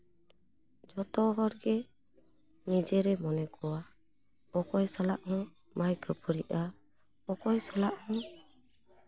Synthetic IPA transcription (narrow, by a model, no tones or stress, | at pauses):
d͡ʒɔt̪ɔɦɔɾɡɛ | nid͡ʒɛɾɛmɔnɛkɔwa | ɔkɔjsalaʔhɔ̃ | majkʰəpɔɾiʔa | ɔkɔjsalaʔhɔ̃